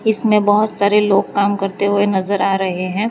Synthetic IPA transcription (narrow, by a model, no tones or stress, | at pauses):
ɪsmẽbɐɦʊt̪saːɾeloːɡ̚kaːmkɐɾt̪eɦuenɐzəɾaːɾɐɦeɦɛ̃ː